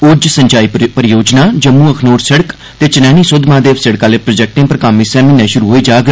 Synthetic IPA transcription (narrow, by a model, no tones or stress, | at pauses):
ʊd͡ʒsəɲt͡ʃaːiːpəɾjoːd͡ʒnaːd͡ʒəmːũːəkʰnoːɾsəɽək | t̪eːt͡ʃənɛːñiːsʊd̪ʱmãːd̪eːʋsəɽkãːleːpɾod͡ʒɛk̚ʈẽːpɾəkaːmiːsɛːmiːnɛ̃ːʃʊɾuːɦoːiːd͡ʒaːɡ